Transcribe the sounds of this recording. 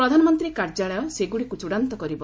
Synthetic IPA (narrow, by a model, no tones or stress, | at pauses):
ɾɔd̪ʱanɔmɔnt̪ɾikaɾd͡ʒaɭɔjɔseɡuɽikut͡ʃuɽant̪ɔkɔɾibɔ